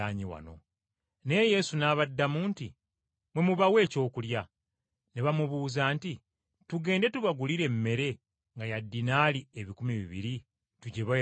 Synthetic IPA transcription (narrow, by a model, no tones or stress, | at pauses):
aːɲiwa̰no̞̰ | ne̞je̞sunaːβadːamuːnti | mwe̞muβawe̞ːco̞ːkulja | neβamuβuːzaːnti | tuɡe̞ːnde̞tuβaɡuliɾe̞mːe̞ɾe̞ | ŋɡajadːinaːlieβikumiβḭβḭɾi | tuɟeβa